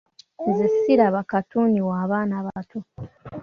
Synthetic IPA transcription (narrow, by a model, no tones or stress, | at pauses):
nzesiɾaβakatuniwaːβaːnaβato